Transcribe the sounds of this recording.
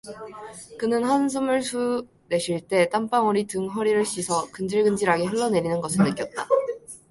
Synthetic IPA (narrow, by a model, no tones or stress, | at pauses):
kɯnɯnhans̬ʰɯmɯɭsʰu | ne̞ɕʰiɭt͈e̞t͈amp͈aŋʌɾitɯŋɦʌɾiɾɯɭɕ͈ʰisʰʌkɯnd͡ʑiɭɡɯnd͡ʑiɾaɡe̞ɦɯɭːʌne̞ɾinɯnɡʌsʰɯɭnːɯk͈jʌt̚t͈a̰